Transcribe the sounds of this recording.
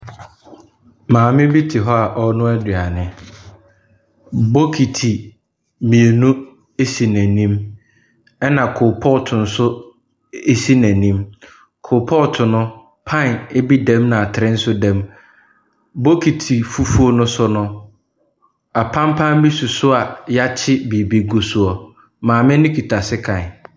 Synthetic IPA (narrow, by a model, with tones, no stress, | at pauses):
mãː˨mɪ̃˦bi˦tʰɪ˨ɦɔ˦a˨ʔɔ˦nʊ̃˦æ˦dɥa˨nɪ̃˨ | bo˦kʰi˨tʰi˨ | mĩ˨e˨nũ˦ | e˦si˨næ̃˨nĩ˦m | ɛ˦nã˨kʰʊ˨pʰɔ˦˨tʰʊ̃˨n̩˨sʊ˦ | e˦si˦næ̃˨nĩ˦m | kʰʊ˨pʰɔ˦˨tʰʊ˨nʊ̃˦ | pʰã˦˨ne˦bi˦dɛ̃˦mnã˨a˨tʰɪ˨ɾɪ̃˦n̩˦sʊ˦dɛ̃˦m | bo˦kʰi˨tʰi˨fu˦fu˦o˦nʊ̃˦sʊ˦nʊ̃˦ | a˨pʰã˦mpʰã˦m˦bi˦su˨sʊ˦a˨ja˦t͡ɕʰɪ˦bi˨bi˨ɡo˨su˨ɔ˨ | mãː˨mɪ̃˦nɪ̃˦kʰi˨tʰa˨sɪ˦kʰã˨n˨